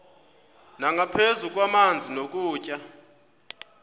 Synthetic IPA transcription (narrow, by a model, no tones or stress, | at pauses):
naŋɡʱapʰezuk̬ʼwamand͡zʱinok̬ʼuːcʼa